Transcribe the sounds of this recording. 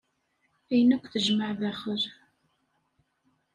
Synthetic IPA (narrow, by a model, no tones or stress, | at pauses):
æjnækʷːθəʒməʕðæχəɾ